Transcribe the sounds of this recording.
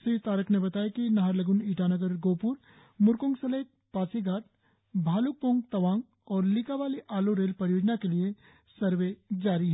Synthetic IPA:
sit̪aːɾəkʰnebɐt̪aːjakinɐɦaɾlɐɡʊniːʈʰanəɡəɾɡoːpʊɾ | mʊɾkõŋsɐleːk̪̚paːsiɡʱaːʈ̚ | bʱaːlʊk̚põːŋɡ̚t̪ɐʋaːŋɡ | ɔːɾlikaʋaːliʔaːloɾeːlpɐɾjoːd͡ʒnakelie | sɐɾʋed͡ʒaːɾiɦɛ

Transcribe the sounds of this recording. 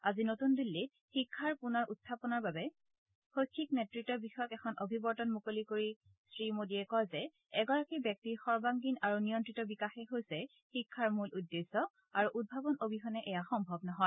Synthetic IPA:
azinotundulːit̚ | xikʰːaɹpunɔɹʔutʰːapɔnaɹbabɛ | xojkʰːik̚nɛtɹitːɔbixɔjɔkɛkʰɔnʔobʱibɔɹtɔnmukolikoɹi | sɹimodiɛkɔjzɛ | ɛɡɔɹakibjɔk̚tixɔɹbaŋɡinaɹunijɔntɹitɔbikaxɛɦojsɛ | xikʰːaɹmuludːesɔ | aɹuʔud̚bʱabɔnobʱixɔnɛʔɛjaxɔmbʱɔbnɔɦɔ

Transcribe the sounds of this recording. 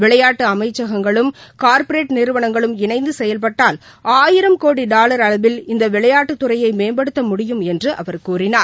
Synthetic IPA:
ʋɪɭɐjaːʈːɯɐmɐɪt͡ʃːɐɣɐŋɡɐɭɯmkaːɾpɐɾeːʈnɪɾɯʋɐɳɐŋɡɐɭɯmɪnɐɪnd̪ɯsɛjɐlp̬ɐʈːaːl | aːjɪɾɐmkoːɽiɖaːlɐɾɐɭɐʋɪlɪnd̪ɐʋɪɭɐjaːʈːɯt̪ːʊɾɐjɐɪmeːmbɐɽɯt̪ːɐmʊɽɪjɯmɛndrɯʔɐ̰ʋɐɾkuːrɪnaːɾ

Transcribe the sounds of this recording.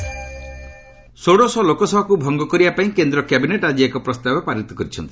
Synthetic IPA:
soɽosɔlokɔsɔbʱakubʱɔŋɡɔkɔɾibapaĩkend̪ɾɔkabineʈad͡ʒiekɔpɾɔst̪abɔpaɾit̪ːɔkɔɾit͡ʃʰɔnt̪i̥

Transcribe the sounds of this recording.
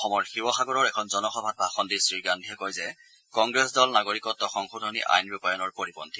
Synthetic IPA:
ɔxɔmɔɹxiwɔxaɡɔɹɔɹɛkʰɔnzɔnɔxɔbʱat̚bʱaxɔndisɹiɡandʱiɛkojzɛ | kɔŋɡɹɛsdɔlnaɡoɹikɔtːɔxɔŋxudʱɔnḭʔa̰jnbjupajɔnɔɹpoɹibɔnti

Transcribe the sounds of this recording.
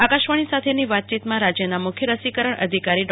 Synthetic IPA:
akaʃʋəɳ̃isat̪ʰeniʋat̪̚t͡ʃit̪mãɾad͡ʒjənamʊkʰjəɾəsikəɾəɳə̰d̪ʱikaɾiɖ

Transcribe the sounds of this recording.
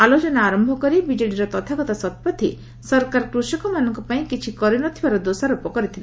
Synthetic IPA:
alot͡ʃɔnaaɾɔmbʱɔkɔɾibid͡ʒɔɽiɾɔt̪ɔt̪ʰaɡɔt̪asɔt̪pɔt̪ʰi | sɔɾkaɾkɾusɔkɔmanɔŋkɔpaĩkit͡ʃʰikɔɾinɔt̪ʰibaɾɔd̪osaɾupɔkɔɾit̪ʰile

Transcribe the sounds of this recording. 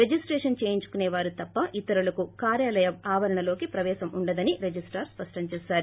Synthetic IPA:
ɾed͡ʒisʈɾeɛːʂɐnt͡ʃeːjiɲt͡ʃu̥kuneːʋaːɾut̪ɐpːɐʔit̪ɐɾulɐkukaːɾjaːlɐjɐmaːʋɐɾɐɳɐlo̞ːkipɾɐʋɛːʃɐmuɳɖɐd̪ɐniɾed͡ʒisʈɐɾspɐʂʈɐɲt͡ʃɛːsaːɾu

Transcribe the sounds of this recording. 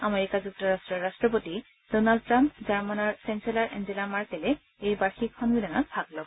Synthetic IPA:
ameɹikad͡ʑuk̚tɔɹastɹɔɹːastɹɔp̬oti | d̥ɔnald̚tɹãmpd͡ʑaɹmanɔɹsɛnselaɹʔḛnzilamaɹkɛle | ejbaɹxikʰːɔnɡulanatbʱaɡlɔ

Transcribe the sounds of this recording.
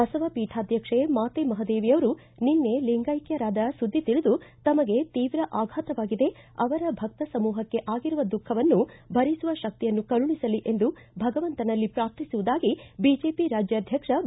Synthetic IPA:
ɐsɐʋɐpiːʈʰaːd̪ʱjɐkʂemaːt̪emɐɦɐd̪eːʋijɐʋɐɾu | ninːe̞liŋɡɐjkjɐɾaːd̪ɐsud̪ʱːit̪iɭud̪ut̪ɐmɐɡe̞t̪iːʋɾɐʔaːɡʱaːt̪ɐʋaːɡid̪e̞ | ɐ̰ʋɐɾɐbʱɐk̚t̪ɐsɐmuːɦɐkːe̞ʔaːɡiɾuʋɐd̪ukʰːɐʋɐnːubʱɐɾisuʋɐʃɐk̚t̪ijɐnːukɐɭuɳisɐliʔe̞nd̪u | bʱɐɡɐʋɐnt̪ɐnɐlːipɾaːp̚t̪ʰisuʋud̪aːɡibiːd͡ʒeːpiɾaːd͡ʒjɐd̪ʱjɐkʂɐ

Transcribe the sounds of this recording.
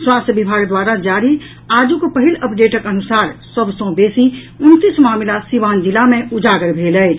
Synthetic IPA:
swaːst̪ʰbɪbʱaːɡd̪waːɾad͡ʒaːɾi | aːd͡ʒukopəɦɪləpɖeːʈəkənʊsaːɾsəbsõbeːsi | ʊnt̪ismaːmɪlasiʋaːnd͡ʒɪlamẽʊd͡ʒaːɡəɾbʱeːləɪ

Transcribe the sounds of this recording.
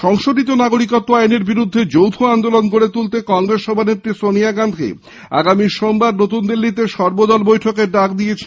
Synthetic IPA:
ʃɔŋʃod̪it̪̬onaɡoɾikot̪ːoajneɾbiɾud̪ʱːed͡ʑowt̪ʰoand̪olonkoɾet̪ult̪ekɔŋɾesʃɔbʱanet̪ːɾisoniaɡand̪ʱḛ | a̰ɡamiʃombaɾnot̪und̪ilːit̪̬eʃɔɾbod̪ɔlbojʈʰokeɾɖakd̪ijet͡ɕʰe

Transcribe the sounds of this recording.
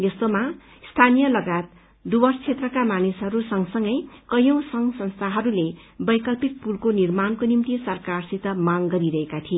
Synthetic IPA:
jʌst̪oma | st̪ʰanijʌlʌɡat̪̚ | d̪ubʌrst͡sʰet̪rʌkamanisɦʌɾusʌŋsʌŋɡʌjkʌjõw̃sʌŋsʌnst̪ʰaɦʌɾule | bʌjkʌlpit̪̚pulkonirmankonimt̪isʌrkarsit̪ʌmaŋɡʌɾiɾʌɦekat̪ʰie

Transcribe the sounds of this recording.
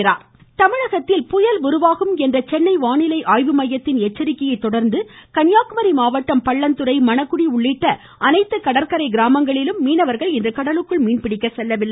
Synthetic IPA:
ɪɾa̰ːɾ | t̪ɐmɪɻɐɣɐt̪ːɪlpʊjɐlʊɾʊʋaːɣɯmɛndrɐt͡ʃɛnːɐɪʋaːɳɪlɐɪʔaːjʋɯmɐjːɐt̪ːɪnɛt͡ʃːɐɾɪkːɐjɐɪt̪ːɔɽɐɾnd̪ɯkɐnjaːkɯmɐɾimaːʋɐʈːɐmpɐɭːɐnt̪ɯɾɐɪmɐnɐkːʊɽiʊɭːɪʈːɐ | ʔɐnɐɪt̪ːɯkɐɽɐɾkɐɾɐɪɡɪɾaːmɐŋɡɐɭɪlɯmːiːnɐʋɐɾɣɐɭɪndrɯkɐɽɐlɯkːɯɭmiːɳpɪɽɪkːɐsɛlːɐʋɪlːɐ

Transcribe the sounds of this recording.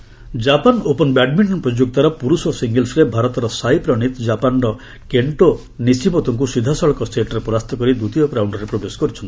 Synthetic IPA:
d͡ʒapanopɔnbɛɖmiɳʈɔnpɾɔd͡ʒuk̚t̪aɾɔpuɾusɔsiŋɡelsɾebʱaɾɔt̪ɔɾɔsajpɾɔñit̪d͡ʒapanɾɔ | keɳʈo | nisimɔt̪ɔŋk̬usid̪ʱːasɔɭɔkɔsʈ̪ʰeʈɔɾepɔɾast̪ʰɔkɔɾid̪ut̪iɔpɾawɳɖɔɾepɾobesɔ̥kɔɾit͡ʃʰɔnt̪i

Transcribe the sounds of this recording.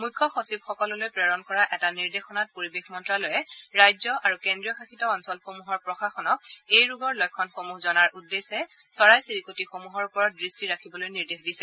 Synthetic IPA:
mujkʰːɔxosib̚xɔkɔlɔlojpɹɛɹɔnkɔɹaʔɛtaniɹdexɔnat̚poɹibexmɔntɹalojɛɹajzɔʔaɹukendɹijɔxaxʰitɔɔnsɔlxomuɦɔɹpɹɔxaxɔnɔk̚ejɹuɡɔɹlɔjkʰːɔnxomuxzɔnaɹʔudːesɛ | sɔɹajsiɹikotixomuɦɔɹupɔɹɔt̚dɹistiɹakʰibɔlojniɹdexdisɛ

